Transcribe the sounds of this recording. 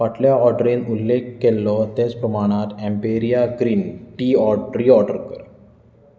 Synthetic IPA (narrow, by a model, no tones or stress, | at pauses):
ʋaʈljaɔɾɖɾiːnulːekːelːɔt̪et͡spɾəmaɽ̃at̪ɛ̃mpeɾijaɡɾiːnʈiːɔɖɾiɔɾɖəɾkəɾ